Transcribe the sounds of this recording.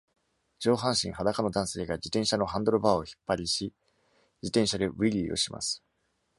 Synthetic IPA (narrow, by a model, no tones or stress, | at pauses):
d͡ʑo̞ːɦãɰ̃ɕḭ̃ɰ̃ɦad̪akano̞d̪ãɰ̃se̞ːɡad͡ʑit̪ẽ̞ɰ̃ɕano̞ɦãnd̪o̞ɾobaːoçi̥pːaɾʲiɕi | d͡ʑit̪ẽ̞ɰ̃ɕad̪e̞ɯ̟iɾʲiːo̞̰ɕimʔa̰sɨ̥